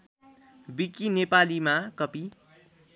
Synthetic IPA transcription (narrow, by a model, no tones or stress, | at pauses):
bikinepalimakʌpi